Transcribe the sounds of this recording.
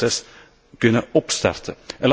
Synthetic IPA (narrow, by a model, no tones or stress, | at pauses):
ɛs | kʉnːəɔpst̪æ̰ɾt̪ʰəʔɛl